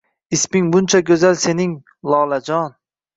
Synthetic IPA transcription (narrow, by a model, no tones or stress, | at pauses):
ɪsmɪŋbʊnt͡ʃʰaɡʲɵzalse̞nɪŋ | lˠɒlad͡ʒɒn